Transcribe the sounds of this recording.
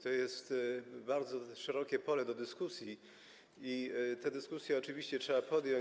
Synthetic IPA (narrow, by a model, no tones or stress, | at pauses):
t̪ɔjɛst̪baɾd̪zɔʂɛɾɔkʲɛpɔlɛd̪ɔd̪ɘskusʲji | it̪ɛd̪ɘskusʲjɛɔt͡ʂɘvʲiɕt͡ɕɛtʂɛbapɔd̪jɔɲ